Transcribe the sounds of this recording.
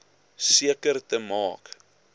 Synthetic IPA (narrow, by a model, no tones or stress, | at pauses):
siəkərtəmɑːk